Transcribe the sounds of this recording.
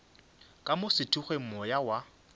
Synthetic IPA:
kʼamʊsɪtʰuχwem̩mɔjawa

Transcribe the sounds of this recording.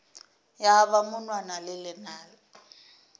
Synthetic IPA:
jaβamʊnwanalɪlɪnaːlɔ

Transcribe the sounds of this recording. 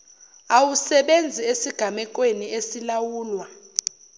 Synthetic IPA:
awusɛɓend͡zʱiesiɡ̥ʱamɛk̬ʼweniesilawuːlwa

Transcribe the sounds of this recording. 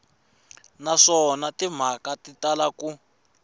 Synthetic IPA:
naʂɔnatim̤akatitalaku

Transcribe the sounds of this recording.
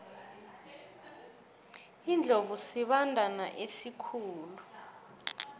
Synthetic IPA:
ind͡ɮʱovusiɓandʱanaʔesikʰuːlu

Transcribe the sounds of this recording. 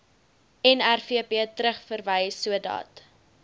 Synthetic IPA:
ɛnærfiəpiətɾəχfərvəjsuədɑ̰ːt

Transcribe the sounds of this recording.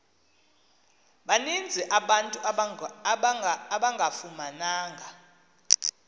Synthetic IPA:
ɓanind͡zʱiʔaɓantʼu | aɓaŋɡʱafumanaːŋɡʱa

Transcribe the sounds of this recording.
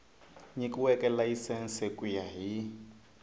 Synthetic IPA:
ɲikʼuwɛkʼɛlaisɛnsekʼujaɦi

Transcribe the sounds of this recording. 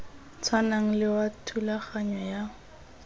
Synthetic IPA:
t͡sʰwanaŋ̩lɪwatʰulaχaɲɔja

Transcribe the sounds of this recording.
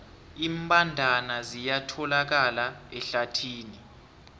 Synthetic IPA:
imbʱʼandʱanazijatʰɔlak̬alaɛɬatʰiːni

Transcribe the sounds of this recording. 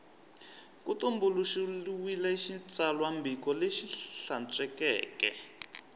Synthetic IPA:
kutumbuluʃiluwilɛiʃit͡sʼalwambikɔleʃiɬant͡sʼwɛkɛ̰ːkɛ̰

